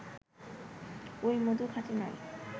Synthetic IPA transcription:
ojmod̪ukʰatinɔj

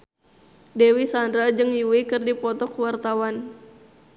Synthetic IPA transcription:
dɛwisandɾad͡ʒɨŋjuwikɨrdipɔt̪ɔkuwart̪awan

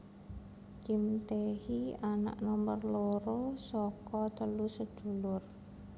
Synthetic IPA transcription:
kimt̪ehiana̰ʔnɔmbərloɾosɔkɔt̪əlusəd̪̥ṳlʊr

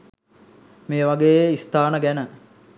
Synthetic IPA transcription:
meːʋaɡejeist̪aːnəɡænə

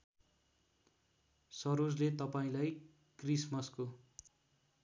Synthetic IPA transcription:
sʌɾod͡zlet̪ʌpaĩlaj | krismʌsko

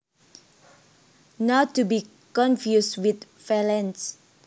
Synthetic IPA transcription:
natːubi | kɔ̃nfjuswit̪ | fɛlɛ̃ns

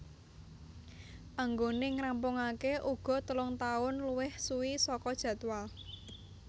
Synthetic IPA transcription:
ʔaŋɡonɪŋɾampʊŋakeʔuɡ̥ɔ̤t̪əlʊŋt̪aʊnluwɪhsuwisɔkɔd̥ʒ̥ä̤t̪wal

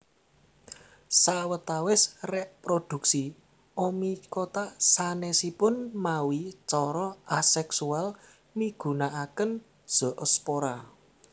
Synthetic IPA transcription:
sawət̪awɪsreʔpɾod̪̥ṳksi | omikot̪asanɛsipʊnmawit͡ʃɔɾɔasɛksual | miɡ̥ṳnaʔakən | d̥ʒ̥ɔ̤ʔəspoɾa

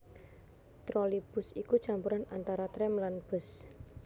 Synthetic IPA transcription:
t̪ɾɔlib̥ʊsikut͡ʃampuɾanant̪aɾat̪ɾɛmlanb̥ə̤s

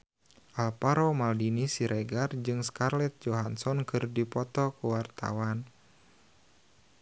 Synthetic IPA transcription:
ʔalpaɾɔmaldinisiɾʔɛɡard͡ʒɨŋskarlɛt̪̚d͡ʒɔɦansɔnkʰɨrdipɔt̪ɔkuwart̪a̰wan

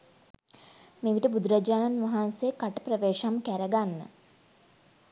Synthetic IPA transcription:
meʋiʈəbud̪uɾad͡ʒaːnanʋaɦansekaʈəprəʋeːʃamkæɾəɡanːə̰

